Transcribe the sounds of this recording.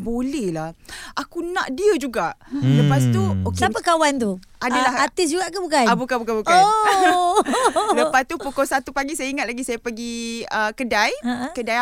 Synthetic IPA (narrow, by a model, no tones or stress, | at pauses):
bolɛhlahʔakunã̰ʔdiəd͡ʒuɡaʔləpas̬t̪uksapakawant̪u | adalahat̪ɪs̬d͡ʒuɡaʔkabukajabukabukabukaj | ləpast̪upokɔsat̪upaɡisajaiŋat̪̚laɡisajapəɡiəkədajãkədaja